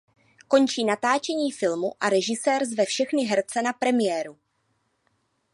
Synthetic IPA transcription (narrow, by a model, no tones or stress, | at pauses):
ko̞nt͡ʃiːnat̪aːt͡ʃɛɲiːfɪlmuʔaɾɛʒɪsɛːrzvɛfʃɛxnɪɦɛɾt͡sɛnapɾɛmɪjɛːɾu